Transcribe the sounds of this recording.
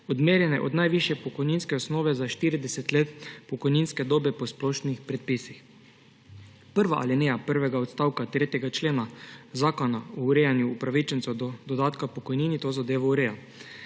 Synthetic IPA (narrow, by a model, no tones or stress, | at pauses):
ɔd̪meːɾjɛnɛ̰ʔɔd̪najʋiʃjɛpɔkɔjninskɛɔsnoːʋɛzaʃt̪iːɾid̪ɛsɛt̪leːt̪pɔkɔjninskɛd̪oːbɛpɔsplɔːʃnixpɾɛt̪̚pisix | pəɾʋaʔa̰linejapəɾʋɛɡaɔt̪st̪awkat̪ɾeːt̪jɛɡat͡ʃleːnazaːkɔnaɔuɾejanjuːpɾaʋit͡ʃənsɛwd̪ɔd̪ɔd̪aːt̪kapɔkɔjniːnit̪ozad̪eːʋɔuɾeːja